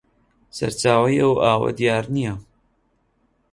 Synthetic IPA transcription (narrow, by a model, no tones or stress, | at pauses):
sɐ̰ɾt͡ʃaːwɐjɐwaːwɐ̰d̪ijaːɾnijɐ